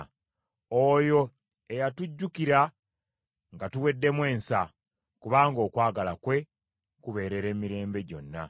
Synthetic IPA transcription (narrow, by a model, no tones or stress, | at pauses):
ojo̞ | ejatuɟːukiɾa | ŋɡatuwe̞dːe̞mwe̞ːnsa | kuβaːŋɡo̞ːkwaːɡalakwe̞ | kuβe̞ːɾe̞ɾe̞ːmiɾe̞ːmbe̞ɟo̞̰nːa̰